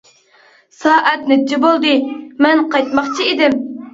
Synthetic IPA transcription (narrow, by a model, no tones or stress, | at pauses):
sɑːʔɛt̪nɪt͡ʃːɪbolˠd̪ɨmɛnqɑjt̪mɑχt͡ʃʰiid̪ɪm